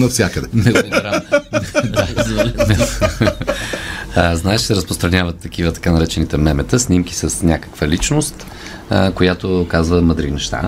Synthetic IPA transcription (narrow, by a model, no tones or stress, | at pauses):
nɐfsʲjakəd̪ɛmɛɾa | d̪aznɛ | əznaɛʃsɛɾəspɾost̪ɾɐnʲavət̪ːɐk̟ivət̪ɐ̥kanɐɾɛt͡ʃɛnit̪ɛmɛmɛt̪əsnimki̥səsnʲakə̥kvəlit͡ʃnost̪ | kojat̪okazvəməd̪ɾinɛʃt̪a̰